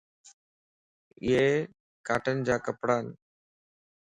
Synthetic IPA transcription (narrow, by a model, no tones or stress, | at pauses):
ɪ̰ɦe | kaːʈənɪ̆d͡ʑaːkəpɽaːn